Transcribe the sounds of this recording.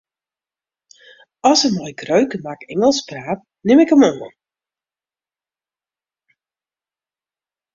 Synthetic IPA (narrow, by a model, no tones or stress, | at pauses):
ɔsəmɔjkrøɥkəmakɛŋəlˠspraːt̚ | nɪmɪkəmonə̰n